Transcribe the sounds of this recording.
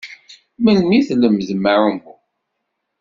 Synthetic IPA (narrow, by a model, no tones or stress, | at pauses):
məlmiθləmzməɾum